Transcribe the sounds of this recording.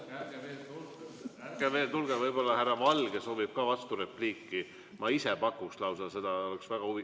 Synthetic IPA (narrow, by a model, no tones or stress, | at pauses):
ɡ̥eve̞ːlt̪ulɡ̥evɤjbo̞lːɑhærːɑvɑlɡ̥eso̞ːvib̥̚kɑːvɑst̪uɾe̞pliːkːi | mʔɑisepɑkːˑukslɑwsɑlse̞d̪̥ɑo̞leksvæɡ̥ɑhuvi